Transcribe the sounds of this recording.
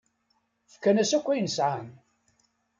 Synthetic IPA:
fə̥kːænæsækʷːæjənəsʕan

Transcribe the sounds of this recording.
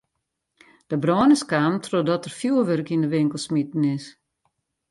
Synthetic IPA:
d̥əbrɔːnəskaːmtʰrodɔtərfjuəʋørkindəʋɪŋkəlˠsmitn̩ɪs

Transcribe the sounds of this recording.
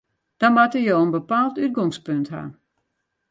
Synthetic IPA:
d̥ɔmatəjoːənbəpaːlˠtyt̚ɡɔŋspøntha̰ː

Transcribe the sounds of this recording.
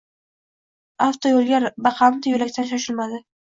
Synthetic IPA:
aft̪ʰojolˠɡʲaɾbɑqʰɑmt̪ɪjʊlakʲt̪ʰanʃ̬aʃɪlmad̪ɪ

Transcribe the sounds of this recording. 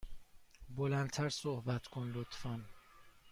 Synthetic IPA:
bolænd̪t̪ʰæɾsohbæt̪ʰkʰonlot̪ʰfæn

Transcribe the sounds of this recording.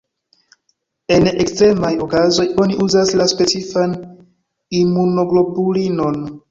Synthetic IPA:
e̞nekstɾe̞majo̞kazo̞jo̞niʔuzaslaspe̞t͡sifan | imuno̞ɡlo̞bulino̞n

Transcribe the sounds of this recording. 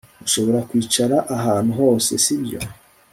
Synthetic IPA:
uʃo̞βo̞ɾakwiːt͡ʃaɾaʔaɦaːn̥uɦo̞ːse̞̰sibjo̞̰

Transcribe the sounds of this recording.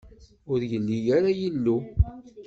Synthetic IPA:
ʊɾjəlːijaɾajəlːu

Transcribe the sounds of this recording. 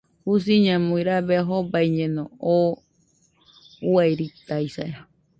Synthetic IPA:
hus̬iɲãmũiɾaβeɦobaiɲẽnõo | wajɾit̪ajsaea

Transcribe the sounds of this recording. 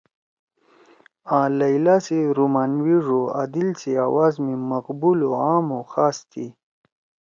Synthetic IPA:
ãːlajlasiɾumaːnwiʐoa̰d̪ilsiawazmiməqbuloaːmoxaːst̪ʰi

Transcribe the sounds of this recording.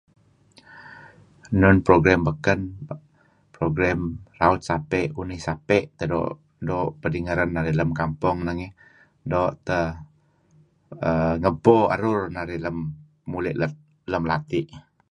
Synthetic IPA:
nʊnpɾoɡɾambəkən | pɾoɡɾamraʊt̪̚sapɛʔunɪhsapɛʔt̪ədɔ̰ʔ | dɔʔpədiŋəɾanːaɾiləmkampʊŋnaŋɛ | doʔt̪ə | əŋəboa̰ɾʊrnaɾɪləmː | ulɛʔ | ləmlat̪ɪʔ

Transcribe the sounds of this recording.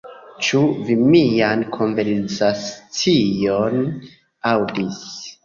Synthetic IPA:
t͡ʃuvimijankʰo̞nve̞ɾsat͡sijo̞n | awdis

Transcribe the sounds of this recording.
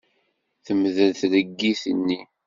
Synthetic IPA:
θəmðəlθləɡːiθənːi

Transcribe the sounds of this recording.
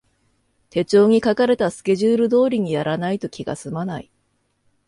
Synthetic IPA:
t̪e̞t͡ɕo̞ːɲ̟ikakaɾe̞t̪asɨ̥kʲe̞ʑɨːɾɯ̟d̪o̞ːɾʲiɲ̟ijaɾanait̪o̞kʲiɡa̰sɨmanai

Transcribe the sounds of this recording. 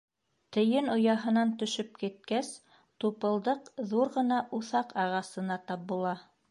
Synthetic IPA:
t̪ɘ̆jɘnŏjɑɦɤ̆nɑnt̪ɵ̆ʃɵp̚kit̪̚kæs | t̪upɤ̆lˠd̪ɤqðuɾʁɤ̆nɑʔuθɑqɑʁɑsɤ̆nɑt̪ɑp̚bulˠɑ

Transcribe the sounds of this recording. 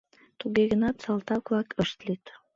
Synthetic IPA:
t̪uɣiɣə̆nɑt̪sɑlˠt̪ɑklˠɑkɤ̆ʃt̪lit̪

